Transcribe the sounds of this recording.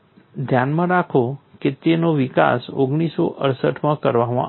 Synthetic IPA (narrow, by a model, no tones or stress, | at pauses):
d̪ʱjanmãɾakʰoket̪enoʋika̰soɡɽ̃iso̰ʔəɾsəʈmãkəɾʋamã̰